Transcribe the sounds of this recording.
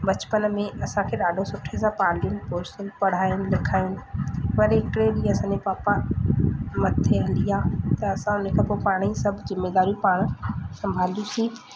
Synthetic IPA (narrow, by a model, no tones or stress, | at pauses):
bɐt͡ɕpənmẽʔɐsãkʰeːɗaːɖʱosʊʈʰezãpaːɽlijʊnɪ̆poːɾsənɪpɐɽ̤aːjʊnɪ̆lɪkʰaːjʊnɪ̆ʋɐɾeɦɪkɽeɗiːɐsãɲd͡ʑepaːpa | mɐt̪ʰeɦɐ̃nliaːt̪ɐɐsãʊnəkʰaːpoːpaːɽ̃isɐbʱzɪmːeːd̪aːɾjũpaːɽ̃sɐ̃mbʱaːljusi